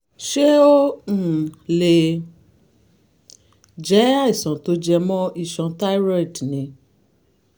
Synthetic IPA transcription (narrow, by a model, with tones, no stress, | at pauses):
ʃe˦õ˦˨ | le˨˧ | d͡ʒɛ˨˦a˦i˨sɔ̃˨to˨˦d͡ʒɛ˧mɔ̃˦i˧˨ʃɔ̃˨˧ta˦i˦ɾa˦i˨dnĩ˨˦